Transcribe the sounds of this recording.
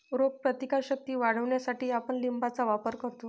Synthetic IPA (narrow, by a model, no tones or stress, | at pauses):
ɾoɡ̚pɾət̪ikaɕək̚t̪iːʋaɽ̤əʋɳjasaʈiːapəɳlimbʱat͡saʋapəɾkəɾt̪o